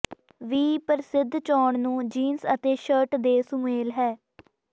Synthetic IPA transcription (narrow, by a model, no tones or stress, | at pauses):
ʋiːpəɾɪsɪd̪ʱt͡ʃɔːɳnũːd͡ʒiːnsət̪eːʃəɾʈd̪eːsʊmeːlɦɛː